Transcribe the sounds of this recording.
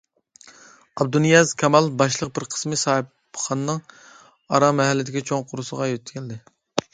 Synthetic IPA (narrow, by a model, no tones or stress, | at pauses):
ɑb̚d̪unijɛzkʲʰɛmɑlˠbɑʃ̬lˠəq̚bɪɾqʰə̥smɨsɑːhɨp | χɑnɨnɨŋ | ɑɾɑmɛɦɛlːɪd̪ɪkʲit͡ʃʰoŋqʰʊɾusəʁɑjøt̪ːkʰʲɛld̪ɪ